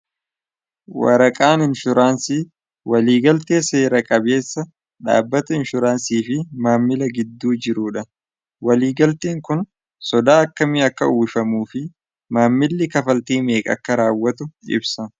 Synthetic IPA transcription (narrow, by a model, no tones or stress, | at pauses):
wɐ̰ɾɐkʼaːnɪnʃʊɾaːnsi | wɐliːɡɐlt̪e̞ːse̞ːɾɐkʼɐbe̞ːsːɐ | ᶑa̰ːbːɐt̪ɐɪnʃʊɾaːnsiːfɪmaːmːɪlɐɡɪd̪ːuːd͡ʒɪɾuːᶑɐ | wɐliːɡɐlt̪eːŋkʊn | sɔd̪aːɐkːɐmɪɐkːɐuːfɐmuːfɪ | maːmːɪlːɪkɐfɐlt̪iːme̞ːkʼɐ̰kːɐɾaːwːɐt̪ʊɪ̰bsɐ